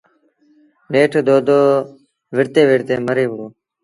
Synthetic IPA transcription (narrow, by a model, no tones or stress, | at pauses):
neːʈʰːd̪oːd̪oː | ʋɪɾt̪eːʋɪɾt̪eːməɾeːboː